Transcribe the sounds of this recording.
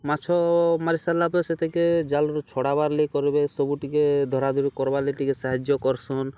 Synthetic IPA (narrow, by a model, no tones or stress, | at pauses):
mat͡ʃʰɔmaɾisalapeset̪ʰeked͡ʒalɔɾut͡ʃʰɔɽabaɾlekɔɾibesɔbuʈiked̪ʱɔɾad̪ʱuɾikɔɾbaɾleʈikesaɦad͡ʒjɔkɔɾsɔn